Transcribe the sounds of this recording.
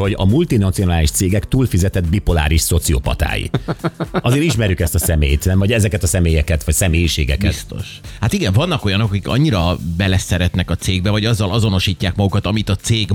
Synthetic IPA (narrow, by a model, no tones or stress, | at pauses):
ho̞ɟɒ̰mult̪inɒt̪sijo̞naːliʃt̪seːɡɛkt̪uːlfizɛt̪ɛd̪bipola̰ːɾiʃso̞t̪siopɒ̰t̪a̰ːjḭ | ɒzeːɾiʃmɛɾjykɛst̪ɒsɛmeːjt̪nɛmvɒɟɛzɛkɛt̪ɒsɛmeːjɛkɛt̪ʋɒcsɛmeːjiʃeːɡɛ̰kɛist̪o̰ʃhat̪iɡɛɱvɒnːɒko̞jɒno̞kɒkikɒ̰ɲːiɾɒbɛlɛsɛɾɛt̪nɛkɒt̪seːɡ̚bɛvɒɟɒzːɒlʔɒzo̞no̞ʃiːcːaːkmɒɡukɒt̪ɒmit̪ɒt̪seːɡ